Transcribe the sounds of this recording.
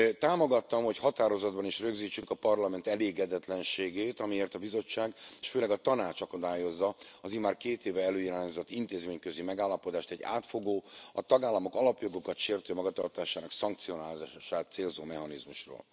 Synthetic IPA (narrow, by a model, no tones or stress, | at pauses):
t̪aːmo̞ɡɒt̪ːɒmho̞chɒt̪aːɾo̞zɒd̪̚bɒniʃrøɡziːt͡ʃːykɒpɒrlɒmɛnt̪ɛleːɡɛd̪ɛt̪lɛnʃeːɡeːt̪ɒmieːrt̪ɒbizo̞t͡ʃːaːɡeːʃføːlɛɡɒt̪ɒnaːt͡ʃɒkɒd̪aːjo̞zːɒɒziːmaːrkeːt̪eːvɛɛløːjiɾaːɲzo̞t̪ːint̪eːzmeːɲkøzimɛɡaːlːɒpo̞d̪aːʃt̪ɛɟːa̰ːt̪foɡoːɒt̪ɒɡaːlːɒmo̞kɒlɒpjo̞ɡo̞kɒt̪ʃeːrt̪øːmɒɡɒt̪ɒrt̪aːʃaːnɒksɒŋk̚t̪sio̞naːlaʃaːt̪seːlzoːmɛɦɒnizmuʃro̰ːl